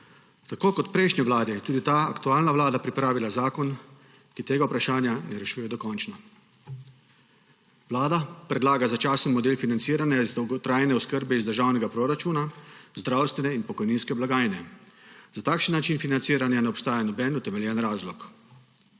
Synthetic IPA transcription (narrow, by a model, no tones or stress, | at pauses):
t̪akoːkɔt̪pɾɛjʃnʲɛʋlaːd̪ɛt̪uːd̪it̪aa̰kt̪uaːlnaʋlaːd̪apɾipɾaːʋilazaːkɔn | kit̪eːɡaupɾaʃaːnjanɛɾɛʃuːjɛd̪ɔkɔnt͡ʃna | wlaːd̪apɾɛd̪laːɡazat͡ʃaːsənmɔd̪eːlfinant̪siːɾanjazd̪ɔwɡɔt̪ɾaːjnɛɔskəɾbɛizd̪əɾʒaːwnɛɡapɾoɾat͡ʃuːnazd̪ɾawst̪ʋɛnɛinpɔkɔjniːnskɛblaɡaːjnɛz̥at̪aːkʃənːat͡ʃiːnfinant̪siːɾanjanɛɔpst̪aːjanɔbɛːnut̪ɛmɛljɛnɾaːzlɔk